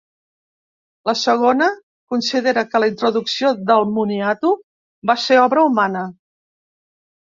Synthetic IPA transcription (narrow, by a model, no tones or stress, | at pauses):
ləsəɣ̞onə | kunsiðeɾəkələint̪ɾuðuksioðəlˠmuniat̪u | baseɔβɾəumanə